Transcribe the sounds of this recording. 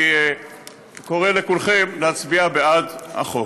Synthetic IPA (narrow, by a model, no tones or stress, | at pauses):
koʁelekulχemleat͡sbiabead̪a̰χo